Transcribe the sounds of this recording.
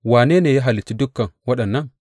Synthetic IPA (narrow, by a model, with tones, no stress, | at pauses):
wa˨ne˦ne˨ja˦ɦa˨li˨tːi˦du˦kːa˨nwa˦ɗɐ˨nːa˦n